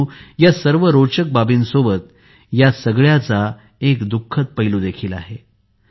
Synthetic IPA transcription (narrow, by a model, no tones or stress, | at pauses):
jasəɾʋəɾot͡ɕək̚babiːnsobət̪̚ | jasəɡɭjat͡sa | ekd̪ukʰːət̪̚pəɦiluːd̪ekʰiːla̰ɦe